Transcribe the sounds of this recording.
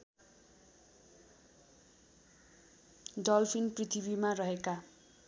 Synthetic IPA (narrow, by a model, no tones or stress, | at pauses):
dʌlpʰinprit̪ʰibimarʌɦeka